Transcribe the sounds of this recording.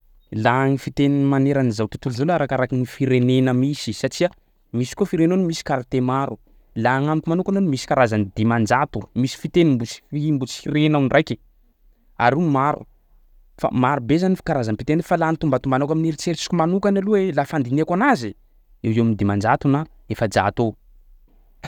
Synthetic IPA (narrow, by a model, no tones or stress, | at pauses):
laŋifit̪enimaneɾanizawt̪ut̪ulzawlaɾakaɾakinifiɾenenəmisisaʈ͡ʂia | misi̥kofiɾenanumisi̥kaɾat̪emaɾu | laŋamikimanukanonumisi̥kaɾazanid̪imand͡ʒat̪umisi̥fit̪enimbut͡si̥fimbut͡si̥iɾenawnrajki̥ | aɾumaɾṵ | fa̰maɾubezanifi̥kaɾazamipit̪enfalant̪umbat̪umbanakaminiɾit͡seɾt͡si̥kʲumanukanaluwelafand̪ineakanazi | ewewamind̪imand͡ʒat̪una | efəd͡ʒa̰t̪o